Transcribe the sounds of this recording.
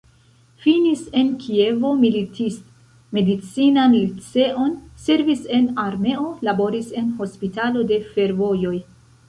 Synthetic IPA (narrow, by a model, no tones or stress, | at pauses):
finise̞nkʰie̞vo̞militisto | me̞dit͡sinamilit͡se̞ʔo̞nse̞ɾvise̞naɾme̞o̞labo̞ɾise̞nho̞spitalo̞de̞fe̞ɾvo̞jo̞j